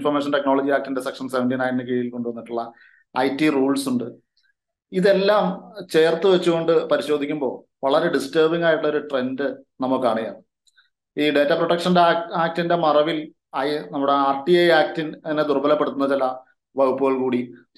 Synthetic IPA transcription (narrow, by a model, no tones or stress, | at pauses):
nfɐrmeːʂ̬ɐnte̞kno̞ːɭɐd͡ʑiaːk̚tinde̞sekʂɐnseʋɐnʈinaːjnːɨkeijilko̞ɳɖuʋɐnːiʈːuɭːɐ | ɐjtːiruːɭsuɳɖɨ | iðe̞lːaːmt͡ɕe̞ːrt̪ːɨʋet͡ɕːuɣo̞ɳɖɨpɐɾiɕo̞ːd̪ʱikʲːumbo̞̰ː | ʋɐɭɐɾe̞ɖisteːbiŋːaːjʈuɭːɐoɾuʈre̞ndɨnɐmːukːɨaːɳija̰ːɳ | iːɖe̞ːtːɐproʈːɐkʂɐndaːk̚tinde̞mɐrɐʋil | ɐjnɐmːuɽe̞aːrʈːiejaːk̚tinned̪urbɐlɐpːeɽut̪ːunːɐt͡ɕilɐ | ʋɐɣupːuɣɐɭkuːɽi